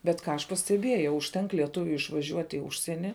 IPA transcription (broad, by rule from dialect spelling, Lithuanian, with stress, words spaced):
bʲɛt ˈkɑː ɐʃ pɐsʲtʲɛˈbʲiɛjɛʊ ʊʃʲˈtʲɛŋk lʲiɛˈtʊʋʲʊɪ ɪʃʋɐˈʒʲuɔtʲ ɪ ˈʊʃʲsʲiɛnʲɪ